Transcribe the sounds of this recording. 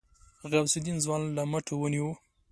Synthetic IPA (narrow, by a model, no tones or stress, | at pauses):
ɣawsud̪inzwɑnlaməʈʰowəniwu